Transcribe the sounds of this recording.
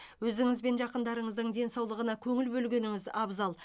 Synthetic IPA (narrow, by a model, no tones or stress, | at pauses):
wɵzɪŋɪzbe̞nʒɑqənd̪ɑɾəɴəzd̪əɴd̪e̞nsɑwlˠəʁənɑkʲʰɵŋɪlbɵlɡʲe̞nɪŋɪzɑbzɑlˠ